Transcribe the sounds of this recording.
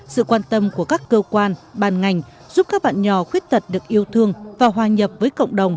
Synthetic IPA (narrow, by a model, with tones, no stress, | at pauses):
sɨ̰˧˨kwaː˧nt̪ə˧mku˧˩əkaː˦˥kːəː˧kwaː˧nɓaː˨˩nŋa˨˩jŋ̟ | zu˦˥p̚kaː˦˥k̚ɓa̰ː˧˨nɲɔ˨˩xwi˦˥ət̚t̪ʰə˨˩t̚ɗɨ˨˩ək̚ʔi˧əwt̪ʰɨ˧əŋvaː˨˩ɦwaː˨˩ɲə˨˩p̚vəː˨˦jkə̰˧˨wŋ͡mɗə˨˩wŋ͡m